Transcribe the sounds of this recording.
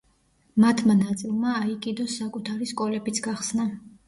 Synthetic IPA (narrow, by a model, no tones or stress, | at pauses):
mat̪ʰmanat̪sʼilˠmaːikʼid̪ɔsːakʼut̪ʰaɾiskʼɔlɛbit̪sʰɡaχsna